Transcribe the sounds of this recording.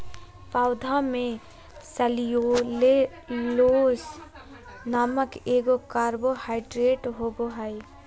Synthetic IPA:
paːʊd̪ʱamẽ | səlijole | loːs | naːməkeːɡokaːɾbohaːɪɖɾeːʈɦoːboɦai

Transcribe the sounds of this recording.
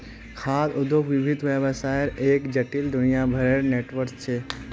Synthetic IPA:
kʰaːd̪ʊd̪ʱoʋɪbʱid̪ʱʋebəsajɾeːkd͡ʒəʈild̪ʊnijabʱəɾeɾneːʈʋəɾt͡ʃt͡ʃʰe

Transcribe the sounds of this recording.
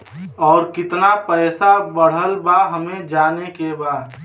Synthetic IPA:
ɔːɾkɪt̪napɛɪsabəɽ̤əlbaɦəmẽd͡ʒaːnekebaːd̪

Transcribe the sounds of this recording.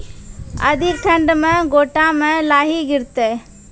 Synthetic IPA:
ɐ̰d̪ʱɪk̚ʈʰɐ̃ɳɖmẽɡoːʈamẽlaːɦiɡɪɾt̪eː

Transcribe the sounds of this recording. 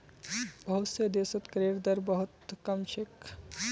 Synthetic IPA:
bɐɦʊt̪sed̪eːsət̪kɾeːɾd̪ɐɾbɐɦʊt̪kɐmʃɪk

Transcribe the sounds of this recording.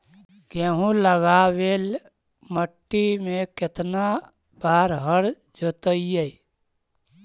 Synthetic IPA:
ɡeɦũləɡaːweːl | məʈːimẽkɪt̪na | baːɾɦəɽ | d͡ʒot̪əijei

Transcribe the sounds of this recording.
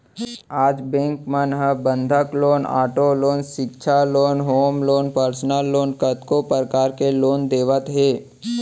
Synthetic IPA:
aːd͡ʒbɛ̃ːŋkmənɦəbə̃nd̪ʱəkloːna̰ːʈoloːnʃɪkʃʰaloːnɦoːmloːnpəɾsnəlːoːnkət̪kopəɾkaːɾkeloːnd̪eːʋət̪ɦeː

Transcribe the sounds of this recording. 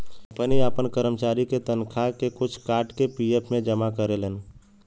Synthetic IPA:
pəniaːpənkəɾəmt͡ʃaːɾiket̪ənkʰakekʊt͡ʃʰkaːɾʈkepijepʰmẽd͡ʒəmakəɾelən

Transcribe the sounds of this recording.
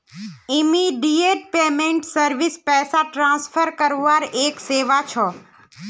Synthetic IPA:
ɪmiɖieːʈ̚peːmẽɳʈsəɾʋɪspɛːsaʈɾãːnspʰəɾkəɾoʋaːɾeːkseːʋat͡ʃʰɔː

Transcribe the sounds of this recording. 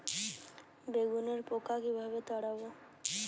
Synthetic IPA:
beɡuneɾpokakibʱaβet̪ɔɽabo

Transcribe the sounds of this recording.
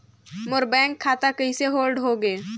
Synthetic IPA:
mʊɾbɛ̃ːŋkʰːaːt̪akɐiseɦoːlɖɦoɡeː

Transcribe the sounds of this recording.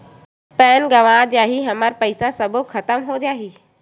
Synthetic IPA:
pɛːnɡɐʋaːd͡ʑaːɦiɦɐməɾpɐɪsasɐbʱʊkʰɐt̪əmɦoːd͡ʒaːɦiː

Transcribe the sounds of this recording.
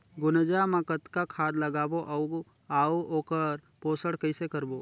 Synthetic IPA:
ɡʊnəd͡ʒamãkət̪kakʰaːd̪ləɡaːboʔɐʊɡ | aːooːkəɾ | poːsəɽkəɪsekəɾboː

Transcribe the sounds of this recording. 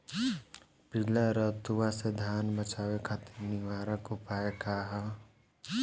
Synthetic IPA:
pilaɾət̪uwased̪ʱjaːnbət͡ʃaːwekʰat̪iɾnɪʋaːɾəkʊpaːekaɦa

